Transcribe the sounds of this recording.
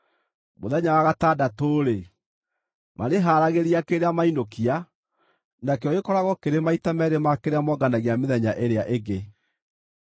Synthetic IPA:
moðɛɲawaɣatadatoːɾe | maɾeɦaɾaɣeɾiakeɾeamainokia | nakeɔɣekɔɾaɣɔkeɾemaitamɛɾemakeɾeamɔɡanaɣeameðɛɲaʔeɾeaʔeɡe

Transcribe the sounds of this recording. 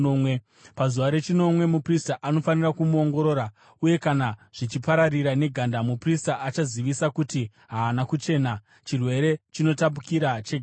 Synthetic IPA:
we | pazuʋaɾe̞t͡ʃino̞mwe̞mupristaʔano̞fanirakumuo̞ŋɡo̞ɾo̞ːɾa | uje̞kanaʐ̥it͡ʃipaɾariɾane̞ɡʱandamupristaat͡ʃaziʋisakuti | ɦaːnakut͡ʃe̞ːna | t͡ʃirwe̞ɾe̞t͡ʃino̞tap̬ukiɾat͡ʃeɡʱ

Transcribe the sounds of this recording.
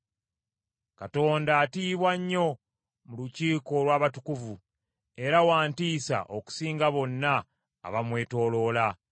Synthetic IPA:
kato̞ːndaːtiːβwaɲːo̞ | muluciːko̞lwaːβatukuvu | e̞ɾawaːntiːsa̰ʔoku̥siːŋɡaβo̞nːa̰ː | βamwe̞ːto̞ːlo̞ːla

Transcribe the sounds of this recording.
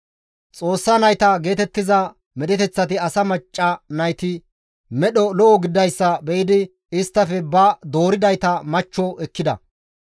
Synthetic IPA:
t͡sʼo̞ːsːɐnɐjt̪ɐɡe̞ːt̪ɛt̪ːɪzɐ | mɛɗ̪ɛt̪ɛt͡sːɐt̪ɪɐsɐmɐt͡ʃʼːɐnɐjt̪ɪ | mɛɗɔlɔʔɔɡɪd̪ɐjsːɐbɛjɪd̪ɪ | ɪst̪ːɐfɛbɐd̪oːɾɪd̪ɐjt̪ɐmɐt͡ʃːɔʔɛkːɪd̪ɐ̰

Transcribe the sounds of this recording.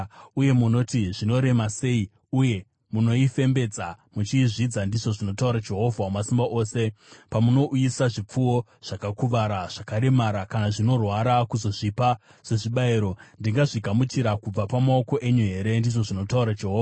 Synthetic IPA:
uje̞muno̞tiʐino̞ɾe̞mase̞i | uje̞ | muno̞ife̞mbe̞d͡za | mut͡ʃiːʐid͡zandiʐo̞ʐino̞tauɾad͡ʒe̞ɦo̞vʱamasimbaʔo̞ːse̞pamuno̞ʔujisaʐip͡fuwo̞ | ʐ̥akakuʋaɾaʐ̥akaɾe̞maɾakanaʐino̞rwaɾakuzo̞ʐipa | se̞ʐiɓaiɾo̞ndiŋɡaʐiɡʱamut͡ʃiɾakub͡vapamao̞ko̞ʔe̞ɲuɦe̞ɾe̞ndiʐo̞ʐino̞tauɾad͡ʒe̞ɦoːva

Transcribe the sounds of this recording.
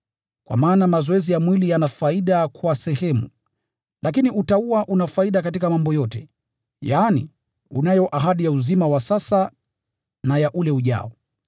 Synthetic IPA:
kwa̰maːnamazɔɛzijamwilijanafaiɗakwasɛhɛmṵ | lʔak̬iniʔutauaʔunafaiɗakatikamambɔjɔtɛ | jaːnḭ | unajɔʔaɦaɗijauzimawasasa | najaʔulɛuʄa̰ɔ

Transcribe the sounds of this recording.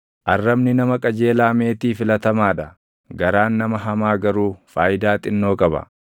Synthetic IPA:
ʔɐrːɐbnɪnɐmɐkʼɐd͡ʒe̞ːlaːme̞ːt̪iːfɪlɐt̪ɐmaːᶑ̪ɐ | ɡɐɾaːnːɐmɐɦɐmaːɡɐɾuːfaːjɪd̪aːt̪ʼɪnːo̞ːkʼɐbɐ̰

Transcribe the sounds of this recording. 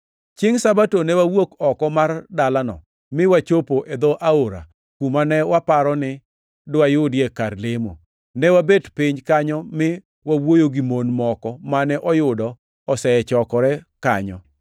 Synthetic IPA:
t͡ʃɪŋsabatonɛwawokɔkɔmardalanɔ̰ | mɪwat͡ʃopoʔed̪ɔʔaoɾa̰ | kumanɛwapaɾɔnɪ | dʊajʊdjekarlɪmo̰ | nɛwabedpɪɲkaɲɔmɪ | wawojoɡimonmɔkɔmanɛʔɔjʊdɔ | ɔsɛɛt͡ʃɔkɔɾɛkaɲɔ̰

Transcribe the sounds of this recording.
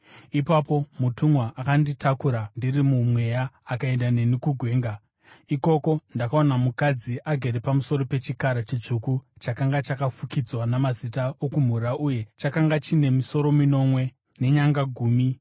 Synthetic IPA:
ipapo̞mutumwaʔakanditakuɾandirimumwe̞jaːkae̞ndane̞nikuɡʱwe̞ːŋɡa | iko̞ko̞ndakaonamukad͡ziʔaɡʱeɾepamuso̞ɾo̞pe̞t͡ʃikaɾat͡ʃit͡ʂukut͡ʃakaŋɡat͡ʃakafukid͡zwanamazitaokum̤uɾaʔuje̞t͡ʃakaŋɡat͡ʃine̞miso̞ɾo̞mino̞mwe̞ | ne̞ɲaŋɡaɡʱuːmi

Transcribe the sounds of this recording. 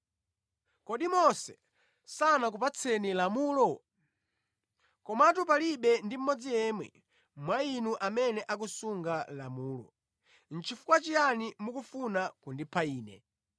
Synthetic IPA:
kɔɗimɔsɛ̥ | sanak̬upat͡sʰɛnilamuːlɔ | kɔmatup̬aliɓɛndim̩mɔd͡zijɛːmwɛ̰ | mwainuʔamɛnɛʔak̬usuŋɡalamuːlɔ̰ | n̩t͡ʃʰifu̥kwat͡ʃijanimukufunakundipʰaiːnɛ̰

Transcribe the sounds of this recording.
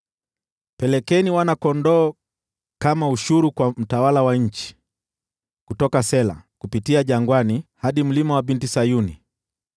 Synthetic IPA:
pɛlɛkɛniwanakɔndɔː | kamauʃuɾukwam̩tawalawaɲ̩t͡ʃi̥ | kutɔkasɛla̰kupitiaʄaŋɡwanihaɗim̩limawabintisajuni

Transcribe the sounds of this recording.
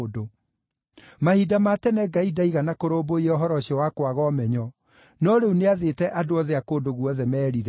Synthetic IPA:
do | mahidamatɛnɛɡaidaiɣanakoɾoːboiɔɦɔɾɔɕiɔwakwaɣɔmɛɲɔ | nɔɾeuneaðetɛʔadoɔðɛakoːdoɣuɔðɛmɛːɾiɾɛ

